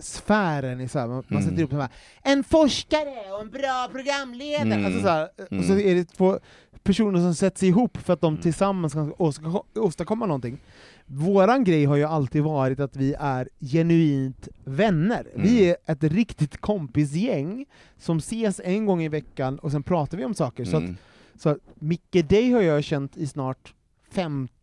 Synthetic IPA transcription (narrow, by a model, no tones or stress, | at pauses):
sfæːɾənɛsɔhæ̰ːɾmamansɛt̪ːəɾuːpːsɔnbaɾ | ɛnfɔʂkaɾəɔɛnbɾɑːpʰɾʊɡɾamːleːd̪aɾalsɔsɔæːɾɔsɔɛɖɛt̪ʰvoː | pʰæʂuːnəɾʂɔmsɛt̪ːəsɛjɪɦuːpːfœɾat̪̚d̪ɔmt̪ʰɪlsamːanskʰaosoːst̪akʰɔmːanɔnt̪ɪŋː | voːɾanɡɾɛjːɦaɾjɵalt̪ʰiːd̪vɑːɾɪt̪at̪vɪʔæɾjɛnʉiːnt̪vɛnːə̰ɾvɪæɾʔɛt̪ɾɪkt̪ɪt̪kʰɔmpɪs̬jɛŋː | sɔmseːsɛnɡɔŋːɪvɛkːanɔs̬ɛnpʰɾɑːt̪aɾvɪɔmsɑːkəɾsɔat̪ | sɔæmɪkːəd̪ɛjhaɾjaɕɛnt̪ɪsnɑːʈ | fɛm